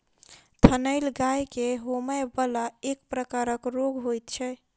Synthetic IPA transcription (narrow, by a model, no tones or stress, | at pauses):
t̪ʰənəjlɡajkeɦoməjbəlaekpɾəkaɾəkɾoɡɦojt̪t͡ʃʰɛ